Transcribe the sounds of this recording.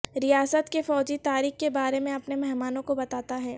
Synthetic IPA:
ɾijaːsət̪kefɔːd͡ʒit̪aːɾiːxkebaːɾemẽɐpnemɛɦmaːnõkobɐt̪aːt̪aɦɛː

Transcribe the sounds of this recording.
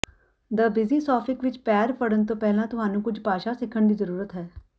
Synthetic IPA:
d̪əbɪziːsɔːpʰɪkʋɪt͡ʃpɛːɾpəɽənt̪̬õːpɛːlãːt̪ʊɦaːnũːkʊd͡ʒʱpaːʃaːsɪkʰəɳd̪iːzəɾuːɾət̪ɦɛː

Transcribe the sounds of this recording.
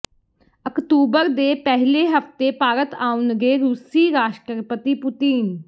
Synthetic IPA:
əkt̪uːbəɾd̪eːpɛɦleːɦəft̪eːpaːɾət̪aːʊnɡeːɾuːsiːɾaːʃʈəɾpət̪iːpʊt̪iːn

